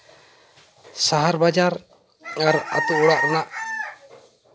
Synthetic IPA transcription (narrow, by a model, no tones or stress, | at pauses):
saɦaɾbad͡ʒaɾ | aɾa̰t̪uʔuɽaʔɾnaʔ